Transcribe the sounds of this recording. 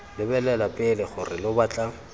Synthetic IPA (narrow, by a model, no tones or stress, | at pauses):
lɪbɛlɛlapʼɪlɪχʊrɪlʊbat͡ɬʼa